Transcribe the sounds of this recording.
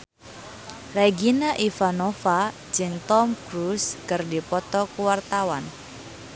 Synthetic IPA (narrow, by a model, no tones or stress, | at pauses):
reɡinaʔifanɔfḁ | d͡ʒɨŋt̪ɔmkɾuskɨrdipɔt̪ɔkuwart̪awan